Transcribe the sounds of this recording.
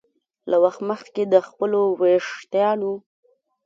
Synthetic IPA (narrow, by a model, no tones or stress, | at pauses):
lawaxt̪məxked̪əxpəloweʂt̪jɑno